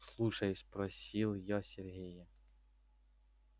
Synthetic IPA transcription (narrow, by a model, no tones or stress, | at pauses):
slˠuʃɐjsʲpɾɔsʲilˠjɔsʲerɦʲijɛ